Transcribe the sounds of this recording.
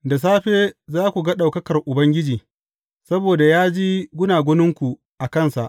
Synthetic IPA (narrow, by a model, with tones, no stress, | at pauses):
da˨s̬aː˦ɸeː˦zaː˦kʷu˨ɡɐ˦ɗa˨wkɐ˦kɐ˨rʔʊ˨bɐ˦ŋɡʲɪ˦d͡ʒiː˨ | sɐ˦boː˨da˨jaː˦d͡ʒiː˦ɡʷʊ˦naː˨ɡʷʊ˦nɪ˦ŋkʷu˨ | ʔa˨kɐ˦˨nsa˨ʔ